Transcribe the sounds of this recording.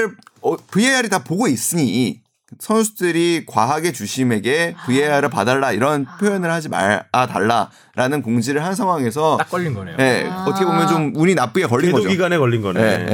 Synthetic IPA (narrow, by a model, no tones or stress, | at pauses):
ɯɭʌpɯjejaɾitapoɡois͈ɯɲi | sʰʌnsʰudɯɾikwaɦaɡe̞t͡ɕuɕʰime̞ɡe̞pɯejaɾɯɭpa̰daɭːaiɾʌnpʰjojʌnɯɭhad͡ʑima̰ata̰ɭːa | ɾʔanɯnkoŋd͡ʑiɾɯɭhansʰaŋɦwaŋe̞sʰʌak͈ʌʎːinɡʌnee̞ʌt͈ʰʌkʰebomjʌnt͡ɕomuɲinap͈ɯekʌʎːinɡʌioɡiɡanekʌʎːinɡʌnee